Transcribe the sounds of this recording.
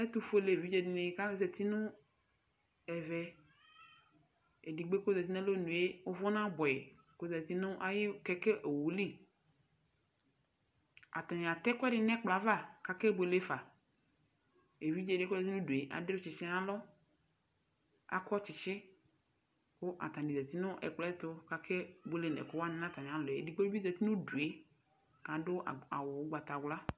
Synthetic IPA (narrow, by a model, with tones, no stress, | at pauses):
ɛ˦t̪u˦fo˦le˨vi˦d͡ʒe˨dɪ˨ne˨˦ka˦zɛ˨t̪i˦nʊ̃˦ | ɛ˨vɛ˨ | e˨di˨ɡ͡be˦ko˦zɛ˨t̪i˦nɛ̃˦lo˦nũ˨je˦ʊ˦vɔ˦nã˦bɔ˨ɛ˨ | ko˦zɛ˨t̪i˦nʊ̃˦ʔa˦jɪ˦˨kɛ˦ke˦ʔe˨wu˨li˦˨ | a̰˨t̪a˨ɲ̃˨a˨t̪ɛ˦kʊ˦ɛ˦dɪ˨nɛ̃˦k͡pla˨˦va˦˨ka˨ke˦bʊ˨e˨le˦fa˨ | e˨vi˦d͡ʒe˨de˦kɛ˨ti˦nʊ̃˦du˨e˨ʔa̰˨dɪ˦ʊ˦t͡ʃɪ˨sɪ˦a˦lɔ˦ | a̰˨kɔ˦t͡ʃɪ˨t͡ʃɪ˦ | kʊ˦ʔa̰˨t̪a˨ndi˨za˨t̪i˦nʊ˦ʔɛ̰˨k͡plɛ˦t̪ʊ˦ka˨kʰɛ˦be˦le˨nɛ̰˨kʊ˦wa˦nɪ̃˨˦a˦˨t̪a˨ɲ˨a˨lʊ˨ɛ˨di˨k͡po˦bi˦za˨t̪i˦nʊ˦du˨e˨ | ka˨dʊ˦˨a̰˨wʊ˨˦ɡ͡ba˨t̪a˨ɡla˦